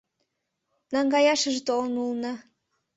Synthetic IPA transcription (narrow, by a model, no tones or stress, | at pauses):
nɑŋɡɑjɑʃə̆ʒet̪olənulnɤ̆